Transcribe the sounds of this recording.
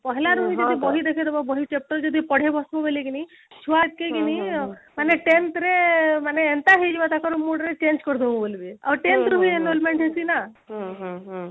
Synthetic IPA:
pɔɦlaɾuɦiɦd͡ʒɔd̪ibɔɦid̪ekʰet̪ɔbabɔɦit͡ʃep̚ʈəɾd͡ʒɔd̪ʱipɔɽ̤ebɔsbobeleɡini | t͡ʃʰuʋat̪̚keɡinimaneʈent̪ɾemaneːnt̪aɦid͡ʒbat̪akɔɾumoɖɾet͡ʃend͡ʒkɔɾd̪ũbolbia̰bɾʈent̪ɾuɦienɖolmẽɳʈɦesina | ɦ

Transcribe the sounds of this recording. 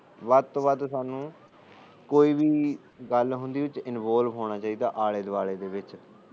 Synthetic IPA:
ʋaːd̪̚t̪oːʋaːd̪saːnũː | koːiːbiː | ɡəlɦʊ̃nd̪iːʊt͡ʃɪnʋoːlʋɦoːɽ̃aːt͡ʃaːiːd̪aːʔaːɭeːd̪ʋaːɭeːd̪eːʋɪt͡ʃ

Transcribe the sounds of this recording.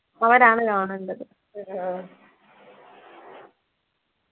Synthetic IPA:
ɐʋɐɾaːɳɨkɐɳuɳɖɐðɨ

